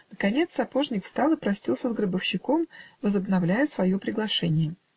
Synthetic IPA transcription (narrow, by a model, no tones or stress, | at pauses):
nəkɐnʲe̞t̪sɐpo̞ʐnʲɪkfst̪ɑlˠɨpɾɐsʲtʲilˠsʲəzɡɾəbəfɕːɪkomvəzəbnɐvlʲæjəsvɐjopɾʲɪɡlˠɐʂɛnʲɪjə